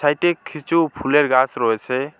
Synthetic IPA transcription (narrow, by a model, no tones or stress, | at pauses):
sajʈekʰːit͡supʰuleɾɡasɾoɦet͡sʰe